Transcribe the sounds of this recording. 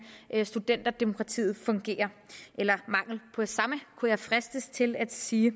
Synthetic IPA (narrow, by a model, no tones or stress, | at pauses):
ʔsd̥ud̥en̰d̥ɐd̥emo̝kʰʁɑ̈t͡sʰḭːð̞̩ˠfɔ̽ŋɡ̥e̝̰ːɐʔelɐmɑ̈ŋ̰l̩pʰɒ̽sɑ̈məkʰujɑ̈ɪfʁɛsd̥əst͡sʰe̝læd̥siː